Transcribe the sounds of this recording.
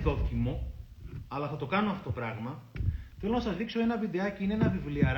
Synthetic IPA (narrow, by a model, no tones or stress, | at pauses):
ðo̞t̪imo̞ | ɐlɐθɐt̪o̞kɐno̞ɐft̪ot̪o̞pɾɐɣmɐθe̞lo̞nɐsɐzðikso̞e̞nɐvid̪eɐceineenɐvivliɐɾ